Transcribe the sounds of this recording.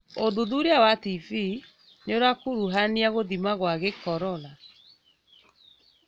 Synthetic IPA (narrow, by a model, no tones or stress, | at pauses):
oðuðuɾeawativi | neoɾakoɾuɦaniaɣoðimaɣwaɣekɔɾɔla